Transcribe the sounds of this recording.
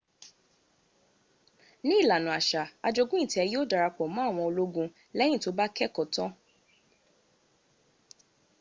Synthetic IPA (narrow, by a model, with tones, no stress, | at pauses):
nĩ˦i˦˨la˨nũ˨a˨ʃa˨a˧d͡ʒo˧ɡũ˦ĩ˦˨ti˨˦ɛ˧ji˦o˦da˨˧ɾa˧k͡pɔ˨mã˨˦a˦˨w̃ɔ̃˧o˧lo˦ɡũ˧ | lɛ˦nĩ˦˨to˨˦ba˦kɛ˦kɔ˨tɔ̃˦